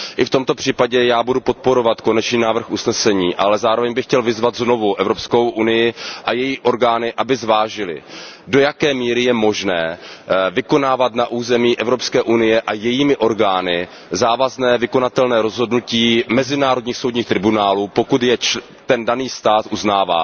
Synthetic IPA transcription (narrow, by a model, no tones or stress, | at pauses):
ʔɪft̪o̞mt̪o̞pr̥iːpaɟɛjaːbudupo̞t̪̚po̞ɾo̞vat̪ko̞nɛt͡ʃniːnaːvr̩xusnɛsɛɲiːʔalɛzaːɾovɛɲbɪxcɛlvɪzvat̪zno̞vuʔɛvɾo̞psko̞wʔunɪjɪʔajɛjiːʔo̞ɾɡaːnɪʔabɪzvaːʒɪlɪ̰do̞jakɛːmiːɾɪjɛmo̞ʒnɛːvɪko̞naːvat̪naʔuːzɛmiːʔɛvɾo̞pskɛːʔunɪjɛʔajɛjiːmɪʔo̞ɾɡaːnɪ | zaːvaznɛːvɪkonat̪ɛlnɛːɾo̞zɦo̞dnuciːmɛzɪnaːɾo̞dɲiːxsowd̪ɲiːxt̪ɾɪbunaːluːpo̞kut̪jɛt͡ʃ | t̪ɛndaniːst̪aːt̪ʔuznaːva̰ː